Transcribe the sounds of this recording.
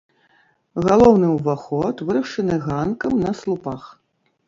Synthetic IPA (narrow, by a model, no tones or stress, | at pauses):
ɣalˠɔwnɨwvaxɔt̪vɨɾɐʂɨnɨɣankɐmnɐslˠupax